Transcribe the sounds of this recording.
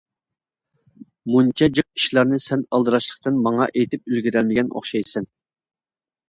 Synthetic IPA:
munt͡ʃʰɑd͡ʒɨq̚i̥ʃlˠɑɾnɨsɛnɑlˠd̪ɨɾɑʃlˠəqt̪ɨnmɑŋɑʔejt̪ʰɪp̚ylɡʲiɾælmɪɡʲɛno̰χʃɑjsɛn

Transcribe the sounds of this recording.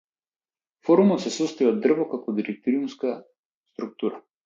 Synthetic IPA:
fɔɾumɔt̪sɛsɔst̪ɔjɔd̪r̩vɔkakɔd̪iɾɛk̚t̪ɔɾiumska | st̪ɾuk̚t̪uɾa

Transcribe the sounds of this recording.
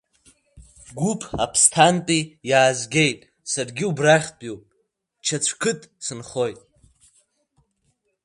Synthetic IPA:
ɡʷupʰʼapʰstʰantʼijaːzɡʲe̞jtʼ | sarɡʲiubraχʲpʼjowpʼ | t͡ʃʰat͡ɕʷʰkʰɨtʼsɨnχo̞jtʼ

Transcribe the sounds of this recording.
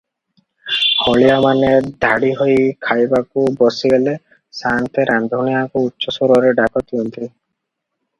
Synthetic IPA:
hɔɭijamaned̪ʱaɽiɦojkʰajbakubɔsiɡele | saŋt̪ʰeɾʔand̪ʱuɳijakuutːʃɔsoɾɔɾeɖakɔt̪ʰiɔnt̪ʰi

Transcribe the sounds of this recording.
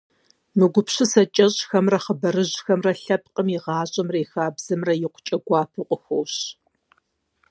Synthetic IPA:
mɨɡʷʊpʰɕɨsɐt͡ʃʼɐɕʼxɐmrɐχəbɐrɨʑxɐmrɐɬɐp̚qʼəmiʁɑːɕʼɐmrɐjxaːbz̥ɨmrɐjɪqʷʊ̥t͡ʃʼɐɡʷɑːpʰɨqʷʼʊxoːɕ

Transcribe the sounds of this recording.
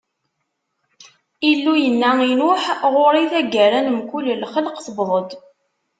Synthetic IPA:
ilːujənːæinʊħʁʊɾˤiθæɡæɾænəmkulːlχələqθəbðˤəd̪

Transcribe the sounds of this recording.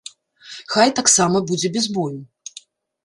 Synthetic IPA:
xajt̪aksamɐbud͡zʲɛbʲɛzbɔju

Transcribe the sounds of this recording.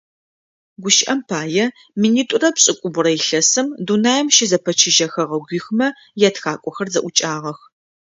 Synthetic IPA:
ɡʷʊʃʔɐmpʰaːjɛ | miniːtʼʊrɐpɕʼɪkʷʼʊbʊrɐjɪɬɐsɨmdunaːjɛmʃɪzɐpʰɐt͡ʃʰɪʒɐxɐʁɐɡʷiːxmɐ | jatxaːkʷʼɔxɐrzɐʔʷʊt͡ʃʼaːʁɐx

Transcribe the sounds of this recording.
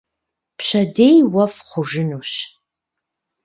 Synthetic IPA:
pɕɐdejwɐfχʷʊʐɨnuːɕ

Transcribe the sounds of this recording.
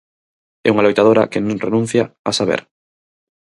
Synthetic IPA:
ɛ̰uŋalojt̪aðoɾa̰kenõŋrenũn̟θjaasaβ̞ḛɾ

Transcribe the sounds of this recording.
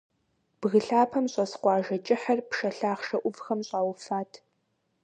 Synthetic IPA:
b̥ɣɨɬaːpʰɐmɕʼɐsqʷɑːʒɐt͡ʃʼɪħɐrpʂɐɬaːχʂɐʔʷʊvxɐmɕʼaːwfaːtʰ

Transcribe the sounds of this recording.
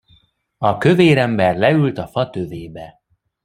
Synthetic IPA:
ɒkø̞veːɾɛmbɛrlɛylt̪ɒfɒt̪øveːbɛ

